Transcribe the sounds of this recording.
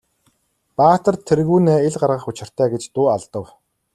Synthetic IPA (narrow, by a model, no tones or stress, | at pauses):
paːt̪ə̆rt̪ʰːerɣuːneːeɮɢarʁə̆χʊt͡ɕɪ̆r̥t̪ʰæːɡet͡ɕt̪ʊːaɮt̪ə̆w